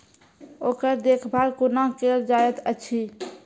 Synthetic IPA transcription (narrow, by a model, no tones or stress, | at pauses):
okəɾd̪ekʰbʱalkunakeld͡ʒajɛt̪ət͡ʃʰi